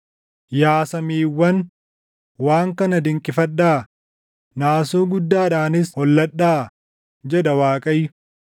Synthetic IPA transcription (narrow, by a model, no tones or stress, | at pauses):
jaːsɐmiːwːɐn | waːŋkɐnɐd̪ɪŋkʼɪfɐᶑːaː | naːsuːɡʊd̪ːaːᶑaːnɪshɔlːɐᶑːaː | d͡ʒɛᶑɐwaːkʼɐjːʊ